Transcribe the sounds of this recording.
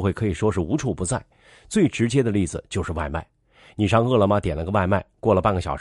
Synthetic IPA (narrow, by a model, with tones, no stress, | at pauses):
xwe˥˩kʰɤ˧˥i˨˩ʂwɔ˥ʂɻ̩˥˩u˧˥ʈ͡ʂʰu˨˩pu˧˥t͡sa˥˩ɪ | t͡swe˥˩ɪʈ͡ʂɻ̩˧˥t͡ɕjɛ˥d̪ə˨˧li˥˩d͡zɹ̩˨˩t͡ɕjo˥˧ʊʂɻ̩˥˧wa˥˧ɪma̰˥˩ɪ | ni˨˩ʂɑ˥˧ŋɤ˥˩lə˩mɐ˩t̪jɛ˨˩nlə˦˧˥ɡə˧wa˥˧ɪma˥˧ɪkwɔ˥˩lə˩pa˥˧nɡə˩ɕjɑ˨˩ʊ